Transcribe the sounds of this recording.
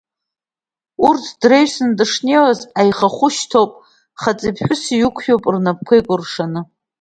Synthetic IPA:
urtʰdrejsɨndɨʂnewazajχaχʷʊʃtʰowpʼ | χat͡sʼipħʷᶣʊsijukʷʰjowpʼrnap̚kʷʰejkʷʼʊrʂanɨ

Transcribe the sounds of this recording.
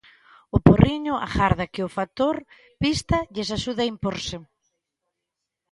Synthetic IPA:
ʊporiɲʊʔa̰xaɾðakɪʊfat̪oɾ | pist̪aʎesaʃuðaimpoɾsɪ

